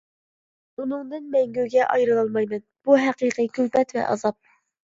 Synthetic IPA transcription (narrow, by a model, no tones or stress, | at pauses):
unɨŋd̪ɨnmɛŋɡʲøɡʲɛʔɑjɾɨlˠɑlˠmɑjmɛnb̥uɦæqiqɨkʰʲøpɛt̪vɛ̰ʔɑ̰zɑp̚